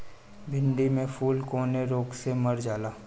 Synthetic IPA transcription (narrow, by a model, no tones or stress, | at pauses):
bʱɪ̃ɳɖimẽfʰuːlkoːneɾoːɡsemɐɾd͡ʒaːlaː